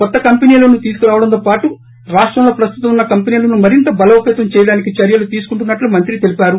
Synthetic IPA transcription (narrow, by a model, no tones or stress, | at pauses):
kɔt̪ːɐkɐmpeniːloːnuːt̪iːsu̥kuɾaːʋɐɽɐnt̪̬oːpaːʈu | ɾaːʂʈɾɐmlo̞ːpɾɐst̪ut̪ɐmunːɐkɐmpeniːlɐnumɐɾint̪ɐbɐlɐwpeːt̪ɐmt͡ʃɛːjɐɽaːnikit͡ʃɐɾjɐlut̪iːsu̥kuɳʈunːɐʈlumɐnt̪ɾit̪e̞lipaːɾu